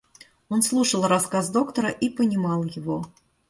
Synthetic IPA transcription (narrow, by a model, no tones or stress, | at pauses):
onslˠuʂəlˠrɐskazd̪o̞kt̪əɾəʔipənʲɪmɑlˠjɪvo̞